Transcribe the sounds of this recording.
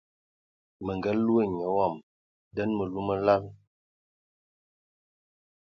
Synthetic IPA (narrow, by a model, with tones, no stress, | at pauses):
mə˨ŋɡə˨˦lu˦ə˦˨ɲə˨wɔ˦˨m | də˦nmə˨lu˦mə˦la˦l